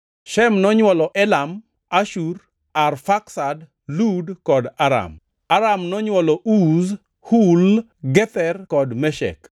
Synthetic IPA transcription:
ʃɛmnɔɲwɔlɔʔɛlam | aʃur | arfaksad | ludkɔdaɾa̰m | aɾamnɔɲwɔlɔʔuz | hul | ɡɛt̪ɛrkɔdmɛʃɛ̰k

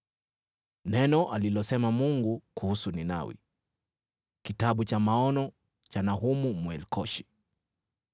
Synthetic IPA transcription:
nɛnɔʔalilɔsɛmamuŋɡukuhusunina̰wḭ | kitaɓut͡ʃamaɔnɔ | t͡ʃanaɦumumwɛlkɔʃi̥

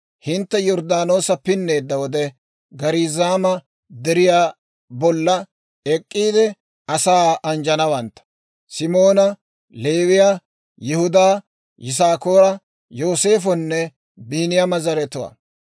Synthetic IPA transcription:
hɪnt̪ːɛjɔɾd̪aːno̞ːsɐpɪnːe̞ːd̪ːɐwɔd̪ɛ | ɡɐɾiːzaːmɐ | d̪ɛɾɪjaː | bɔlːɐ | ɛkʼːiːd̪ɛ | ɐsaːʔɐnd͡ʒɐnɐwɐnt̪ːɐ̥ | sɪmo̞ːnɐ | le̞ːwɪja | jɪhʊd̪aː | jʔɪs̬aːko̞ːɾɐ | jo̞ːse̞ːfɔnːɛ | biːnɪjɐmɐzɐɾɛt̪ʊwɐ̰ː

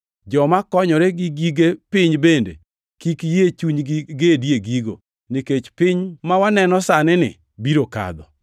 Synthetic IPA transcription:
d͡ʒɔmakɔɲɔɾeɡɪɡiɡepɪɲbendḛ | kikjet͡ʃuɲɡɪɡedjeɡiɡo̰ | nɪket͡ʃpɪɲmawanɛnɔsanɪnɪ̰ | biɾoka̰d̪ɔ̰

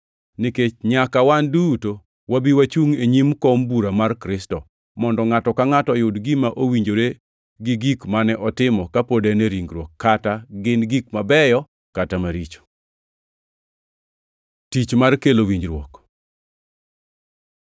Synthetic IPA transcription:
niket͡ʃɲakawanduto | wabiwat͡ʃuŋeɲimkɔmbuɾamarkɾɪstɔ | mɔndɔŋatɔkaŋatɔjʊdɡɪmaʔowiɲd͡ʒoɾe | ɡɪɡikmanɛʔɔtɪmɔkapodɛnɛɾiŋɡɾwɔkʰːataɡɪnɡikmabɛjɔ | katamaɾit͡ʃo̥ | tit͡ʃmarkelowiɲd͡ʒɾwɔk

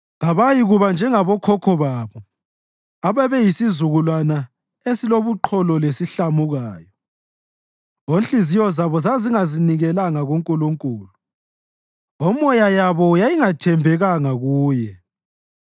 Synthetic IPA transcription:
ɣaβajiɣuβand͡ʒʱɛŋaβɔkʰɔkʰɔβaːβɔ | aβɛβɛjisizuɣulwana | esiloβuǃʰɔlɔlesiɬamuɣaːjɔ | onɬʼizijɔzaβɔzaziŋaziniɣɛlaŋaɣoŋkʼuluŋkʼuːlu | ɔmɔjajaβɔjajiŋatʰɛmbʱɛɣaŋaɣuːjɛ

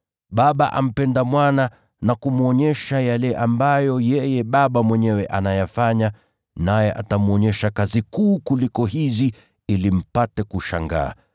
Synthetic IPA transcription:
ɓaɓaʔa̰m̩pɛndamwana | nakumuɔɲɛʃajalɛʔambajɔjɛjɛɓaɓamwɛɲɛwɛʔanajafaɲa | najɛʔa̰tamuɔɲɛʃakazikuːkulikɔɦizi | ilim̩patɛkuʃa̰ŋɡa̰ː

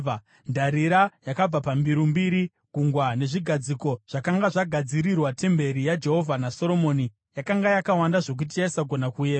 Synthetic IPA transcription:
ndaɾiɾajakab͡vapambiɾumbiɾi | ɡʱuŋɡwane̞ʐiɡʱad͡ziko̞ʐ̥akaŋɡaʐaɡʱad͡ziɾirwate̞mbe̞ɾijad͡ʒe̞ɦo̞vʱanaso̞ɾo̞mo̞ni | jakaŋɡajakawandaʐo̞k̬ut̬ijaisaɡʱo̞nakujeː

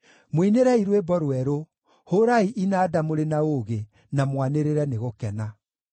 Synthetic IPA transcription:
mwineɾɛiɾwebɔɾwɛɾo | hoɾaiʔinaːdamoɾenaoɣe | namwaneɾeɾɛneɣokɛna

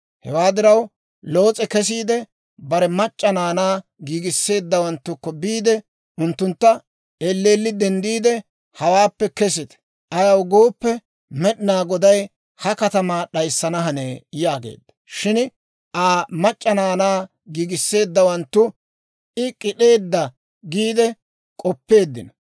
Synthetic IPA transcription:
hɛ̰waːd̪ɪɾɐw | loːt͡sʼɛkɛs̬iːd̪ɛ | bɐɾɛmɐt͡ʃʼːɐnaːnaːɡiːɡɪsːe̞ːd̪ːɐwɐnt̪ːʊkːɔbiːd̪ɛ | ʊnt̪ːʊnt̪ːɐ | ɛlːeːlːɪd̪ɛnd̪iːd̪ɛ | hɐwaːpːɛkɛsɪt̪ | ʔɐjɐwɡoːpːɛ | mɛɗɪnaːɡɔd̪ɐj | hɐkɐt̪ɐmaːɗɐjsːɐnɐɦɐneːjaːɡḛːd̪ːɐ̥ʃɪn | ʔaːmɐt͡ʃʼːɐnaːnaː | ɡiːɡɪsːe̞ːd̪ːɐwɐnt̪ːʊ | ɪkʼɪɗe̞ːd̪ːɐ | ɡiːd̪ɛ | kʼɔpːe̞ːd̪ːɪ̰nɐ

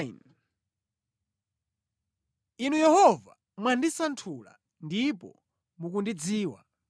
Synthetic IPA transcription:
n | inujɛhɔva̰ | mwandisantʰula̰ | ndipɔ̰ | mukundid͡ziːwa̰

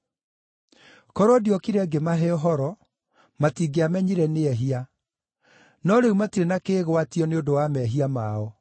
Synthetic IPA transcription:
kɔɾɔdiɔkiɾɛɡemaɦɛɔɦɔɾɔ | matiːɡeamɛɲiɾɛneɛɦia | nɔɾeumatiɾenakeːɣwatiɔneondowamɛɦiamaɔ

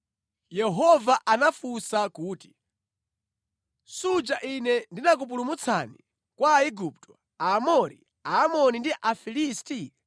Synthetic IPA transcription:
jɛɦɔvaʔanafusakuːti̥ | sud͡ʒaʔinɛndinak̬up̬ulumut͡sʰa̰ni | kwaːiɡup̚tʰɔ̥ | aːmɔɾi | aːmɔnindiʔafilisti

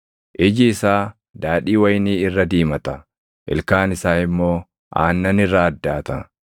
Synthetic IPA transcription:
ʔɪd͡ʒɪːsaː | d̪aːᶑiːwɐjniːɪrːɐd̪iːmɐt̪ɐ | ʔɪ̰lkaːnɪsaːɪmːo̞ː | ʔa̰ːnːɐnɪrːaɐd̪ːaːt̪ɐ

